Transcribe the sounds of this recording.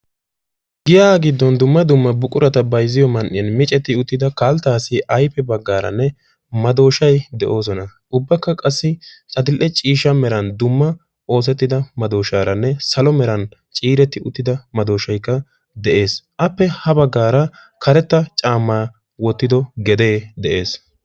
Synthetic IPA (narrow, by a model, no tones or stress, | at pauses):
ɡɪjaːɡɪd̪ːɔnd̪ʊmːɐd̪ʊmːɐbʊkʼʊɾɐt̪ɐbɐjzɪjɔmɐnʔːɪjɐnmɪt͡ʃʼɛt̪ːɪʊt̪ːɪd̪ɐkaːlt̪aːsɪʔɐjpːɛbɐɡːaːɾɐ̰nːɛ | mɐd̪o̞ːʃɐjd̪ɛʔo̞ːs̬ɔnɐ | ʊbːɐkːɐkʼɐsːɪt͡ʃʼɐd̪ɪlʔɛt͡ʃʼiːʃːɐmɛɾɐnd̪ʊmːɐ | ʔo̞ːs̬ɛt̪ːɪd̪ɐmɐd̪o̞ːʃaːɾɐnːɛsɐlɔmɛɾɐn | t͡ʃʼiːɾɛt̪ːɪʔʊt̪ːɪd̪ɐmɐd̪o̞ːʃɐjkːɐ | d̪ɛʔe̞ːsʔɐpːɛhɐbɐɡːaːɾɐ | kʰɐɾɛt̪ːɐt͡ʃʼaːmːaː | wɔt̪ːɪd̪ɔɡɛd̪e̞ːd̪ɛʔe̞ːs